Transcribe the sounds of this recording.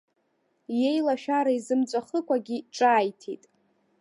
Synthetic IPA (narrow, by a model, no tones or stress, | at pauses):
je̞jlaʃᶣaɾaizɨmt͡sʷʼaχəkʷʼaɡʲiʈ͡ʂʼaːjtʰḭtʼ